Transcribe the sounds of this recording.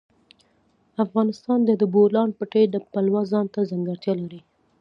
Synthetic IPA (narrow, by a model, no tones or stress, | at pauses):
afɣɑnɪst̪ɑnd̪əd̪əbolɑnpəʈed̪əpalwazɑnt̪azaŋɡaɾt̪jɑlaɾi